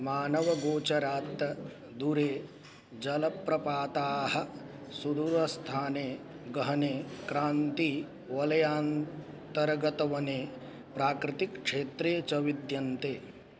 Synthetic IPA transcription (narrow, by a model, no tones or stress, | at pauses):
maːnɐʋɐɡoːt͡ʃɐɾaːt̪ːɐ | d̪uɾeː | d͡ʒɐlɐpɾɐpaːt̪aːɦɐ | sud̪uɾɐst̪ʰaːneː | ɡɐɦɐneːkɾaːnt̪i | ʋɐlɐjaːn | t̪ɐɾɡɐt̪ɐʋɐneː | pɾaːkɾɪt̪ikkʂeːt̪ɾeːt͡ʃɐʋid̪jɐnt̪eː